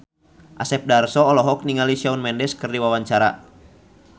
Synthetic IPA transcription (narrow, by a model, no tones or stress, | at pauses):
ʔasɛp̚darsɔːlɔɦɔk̚niŋalisaunmɛndɛskɨrdiwawaɲt͡ʃaɾa̰